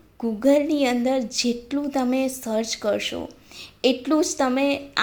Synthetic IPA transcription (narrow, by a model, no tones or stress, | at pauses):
ɡuɡəlniənd̪əɾd͡ʒeʈlũt̪əmesəɾt͡ʃkəɾʃo̰eʈlũd͡ʒt̪əmea